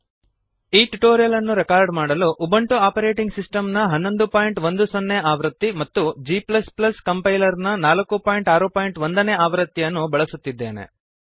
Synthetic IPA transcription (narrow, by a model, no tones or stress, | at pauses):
iːʈuʈoːɾijɐlɐnːuɾɛkaːɾɖmaːɽɐluʔːbɐɳʈuaːpɐɾe̞ːʈiŋɡsisʈɐmnɐɦɐnːo̞nd̪upaːjiɳʈʋond̪usonːeaːʋɾɐt̪ːimɐt̪ːud͡ʒiːplɐsplɐskɐmpɐjlɐɾnɐnaːlɐkːupaːjiɳʈaːɾupaːjɳʈʋond̪ɐneːaːʋɾɐt̪ːijɐnːubɐɭɐsut̪ːid̪ːe̞ːne̞̰